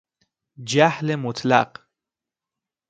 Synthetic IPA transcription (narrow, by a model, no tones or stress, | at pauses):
d͡ʒahlemʊt̪ʰla̰q